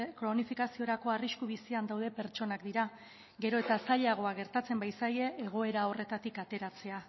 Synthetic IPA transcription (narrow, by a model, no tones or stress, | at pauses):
kɾo̞nifikasio̞ɾako̞ariskuβ̞isiand̪awð̞e̞pe̞ɾt͡ʃo̞nakd̪iɾa | ɡe̞ɾo̞e̞t̪asaʎaɣ̞o̞aɣ̞e̞ɾt̪at͡se̞mbajsaje̞ːɣ̞o̞e̞ɾao̞re̞t̪at̪ikat̪e̞ɾat͡se̞a